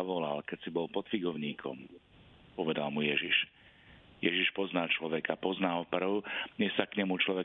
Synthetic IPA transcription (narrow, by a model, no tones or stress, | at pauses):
aʋɔla̰lkɛcsibɔlpɔt̪fiɡɔʊɲiːkʰɔ̰m | pɔʋɛd̪a̰lmujɛʒiʃ | jɛʒiʃpɔznaːt͡ʃlɔʋɛkapɔznaːlpr̩ʊɲɛsakɲɛmut͡ʃlɔʋɛ